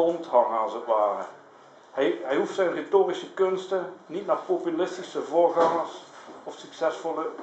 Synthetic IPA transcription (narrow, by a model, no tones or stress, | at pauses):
ɔnthɑŋəɑlˠsətʋaːrə̰ | hɛjɦɛjɦuftsɛjnretoːrisəkɵnstənitnaːχpopylɪstisəvoːrɣɑŋəsɔfsyksɛsfɔlˠə